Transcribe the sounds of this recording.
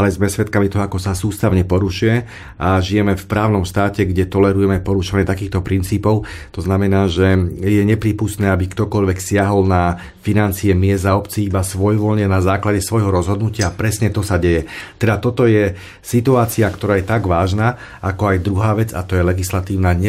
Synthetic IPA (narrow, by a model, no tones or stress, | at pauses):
alɛzmɛsʋɛt̪kamit̪ɔɦɔakɔsasuːst̪aʊɲɛpɔɾuʃujɛ | ʔaʒijɛmɛfpɾaːʊnɔmʃt̪aːcɛɡɟɛt̪ɔlɛɾujɛmɛpɔɾuʃɔʋaɲɛt̪akiːxt̪ɔpɾint͡siːpɔʊt̪ɔznamɛnaːʒɛjɛɲɛpɾiːpust̪nɛːabikt̪ɔkɔʎʋɛksɪaɦɔlna | finant͡siɛmɪɛzaɔpt͡siːibasʋɔjʋɔʎɲɛnazaːklaɟɛsʋɔjɦɔɾɔzɦɔd̪nucɪaːpɾɛsɲɛt̪ɔsaɟɛjɛt̪ɛd̪at̪ɔt̪ɔjɛ | sit̪uaːt͡siakt̪ɔɾaːjɛt̪aɡʋaːʒnaː | akɔajd̪ɾuɦaːʋɛd͡za̰t̪ɔjɛlɛɡislat̪iːʊnaɲ